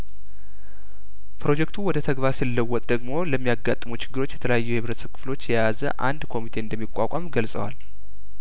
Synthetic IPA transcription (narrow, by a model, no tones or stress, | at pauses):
pʰɾo̞d͡ʒɛkt̪ʰuwɔd̪ət̪ʰəɡβaɾsɨlːəwːɔt̪ʼd̪əɡmo̞ləmːijaɡːat̪ʼːɨmut͡ʃɪ̥ɡːɨɾo̞t͡ʃːjɛt̪ʰələjajːuhɨβɾət̪səkʰɨ̥flo̞t͡ʃːjɛjazə̰ʔa̰nd̪kʰo̞mit̪ʰe̞ɨnd̪əmːikʷʼːakʷʼamɡəlsʼə̰wa̰l